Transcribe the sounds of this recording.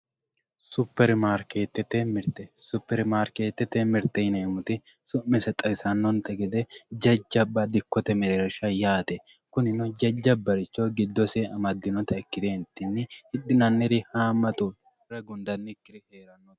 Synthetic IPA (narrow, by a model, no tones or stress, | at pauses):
sʊpːɛɾmaːɾkeːt̪ːɛt̪ːɛmɪɾt̪ːɛsʊpːɛɾmaːɾkeːt̪ːɛt̪ːɛmɪɾt̪ːɛjnɐɪmʊt̪ɪ | sʊmːɛsɐt̪ʼɐɡɪsɐnːɔnt̪ɐɡɛd̪ɛd͡ʒɐd͡ʒːɐbːɐd̪ɪkːɔt̪ɛmɛɾeɾɛʃɐjaːt̪ɛ | kʊnɪnɔd͡ʒɐd͡ʒːɐbːɐɾɪt͡ʃːɔɡɪd̪ːɔsɛɐmɐd̪ːɪnɔt̪ɐɛkːɪt̪eɪnt̪ːɪnːɪɪd̪ːɪnɐnːɛɾɪhaːmːɐt̪ʊ | ɾɐɡʊnd̪ɐnːɪkːɪɾɪheːɾɐnːɔt̪